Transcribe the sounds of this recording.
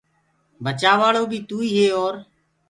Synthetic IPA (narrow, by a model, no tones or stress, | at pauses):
bət͡ʃaːʋaːɭoːbʱiːt̪uːiːɦeːoːɾ